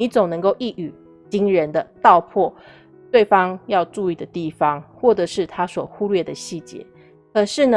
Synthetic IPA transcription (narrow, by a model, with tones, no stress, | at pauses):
i˧˩˦t͡so˨˩ŋnə˧˥ŋko˥˧ʊʔi˥˩ʔy˨˩ | t͡ɕi˥ŋɻə˨˦nd̪ə˧t̪ɑ˥˧ʊpʰwɔ˥˧ | t̪we˥˩ɪfɑ˦ŋjɑ˥˧ʊʈ͡ʂu˥˧i˥˩d̪ə˩t̪i˥˩fɑ˦ŋxwɔ˥˩ʈ͡ʂɤ˨˩ʂɻ̩˥˩t̪ʰa˥swɔ˨˩xu˥lɥɛ˥˩d̪ə˩ɕi˥˩t͡ɕjɛ̰˧˥˦ | kʰɤ˨˩ʂɻ̩˥˩nə˨